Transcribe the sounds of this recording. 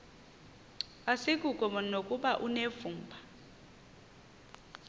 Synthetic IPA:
asikʼukʼɔmɔnokʼuɓaʔunevuːmbʱḁ

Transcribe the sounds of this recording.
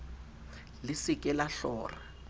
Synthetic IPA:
lɪsɪkʼɛlaɬɔ̰ːra

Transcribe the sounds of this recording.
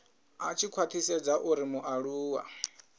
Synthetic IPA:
at͡ʃʰikʰwat̪ʰisɛd͡zaʔuɾimuʔaɺuːwa̰

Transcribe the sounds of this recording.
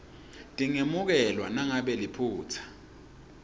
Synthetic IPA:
tʼiŋemuk̬ɛlwanaŋaɓɛlipʰuːt͡sʰḁ

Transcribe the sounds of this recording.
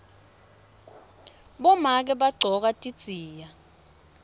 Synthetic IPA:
ɓɔmak̬ɛɓaɡ͡ǀʱɔk̬atʼi̥t͡siːja

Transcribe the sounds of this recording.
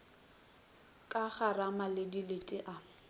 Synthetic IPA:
kʼaχaramalɪdilɪtʼɪʔa

